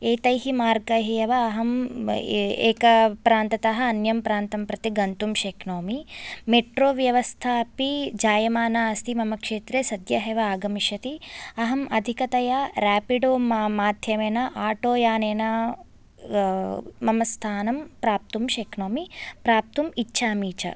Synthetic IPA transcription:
eːt̪ɐjɦimaːɾɡɐɦijɐʋɐːɦɐm | ḛːkɐpɾaːnt̪ɐt̪ɐɦɐːnjɐmpɾaːnt̪ɐmpɾɐt̪iɡɐnt̪umʃeːknoːmimeʈɾoːʋjɐʋɐst̪ʰaːpid͡ʒaːjɐmaːnaɐst̪imɐmɐkʂeːt̪ɾeːsɐd̪jɐɦeʋɐaːɡɐmiʃɐt̪iɐɦɐmʔɐd̪ʱikɐt̪ɐjaːɾaːpiɖoːmaːmaːd̪ʱjɐmeːnɐʔaːʈoːjaːneːnɐ | mɐmɐst̪ʰaːnɐmpɾaːp̚t̪umʃeːknoːmipɾaːp̚t̪umitːʃʰaːmiːt͡ʃɐ̰

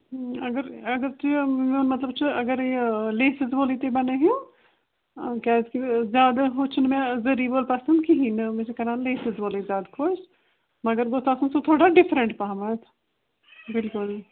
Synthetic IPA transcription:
ɐɡəɾəɡəɾt͡ʃimẽnmɐt̪ləb̚t͡ʃʰɐɡəɾeleːsɪzboːliːt̪ebəneɦjũː | kɛːzkizjaːd̪aɦʊt͡ʃʰnmɛ̃zəɾiːboːlpɐsənd̪kiɦinəmẽt͡ʃekɐɾãːnleːsɪzboːlezjaːd̪kʰoʃ | məɡəɾɡoːt̪aːsə̃nsũt̪ʰoːɽaːɖɪfʰɾə̃ɳʈpaɦmət̪ | bɪlkʊl

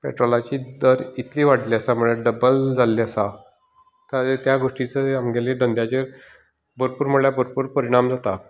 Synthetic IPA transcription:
pɛ̰ʈɾolat͡ɕiːd̪əɾit̪liːʋaʈliəsaməɭjeɖəbəld͡zalːiəsa | t̪at̪jaɡoʂʈit͡səamɡeled̪ənd̪jat͡ɕe | bəɾpuːɾməɭjabəɾpuːɾpəɾiɽ̃amd͡zat̪a

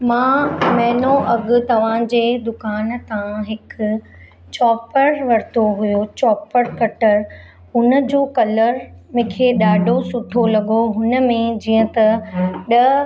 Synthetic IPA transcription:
mãmɛɦɪnoʔɐɠʊ̆t̪ɐʋ̤ãd͡ʑeːd̪ʊkaːnt̪ãɦɪk | t͡ɕɔːpəɾʋɐɾt̪oɦujot͡ɕɔːpəɾkɐʈəɾ | ɦʊnəd͡ʑoːkɐləɾmẽkʰeːɗaːɖʱosʊʈʰolɐɠoɦʊnə̆mẽd͡ʑiːə̃t̪ɐɗɐ

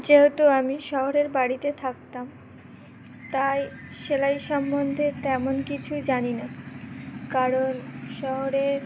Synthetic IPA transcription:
d͡ʑeɦot̪oamiʃɔɦoɾeɾbaɽit̪et̪ʰakt̪am | t̪ajʃelajʃɔmbond̪ʱet̪ɛmonkit͡ɕʰud͡ʑanina | kaɾonʃɔɦoɾeɾ

